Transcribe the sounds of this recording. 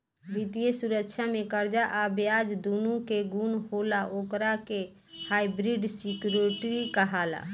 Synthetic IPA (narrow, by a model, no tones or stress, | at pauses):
bit̪ijesuɾəkʃʰamekəɾd͡ʒaʔabjad͡ʒd̪unũkeɡunɦolaʔokɾake | hajbɾiɖsikjuɾeʈɾikəɦala̰